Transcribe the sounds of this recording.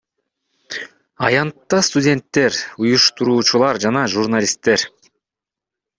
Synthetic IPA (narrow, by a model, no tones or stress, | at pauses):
ɑjɑnt̪ːɑst̪udʲe̞nt̪ːe̞ɾujuʃt̪uɾuːt͡ʃulˠɑɾd͡ʒɑnɑʒuɾnalʲist̪ːe̞ɾ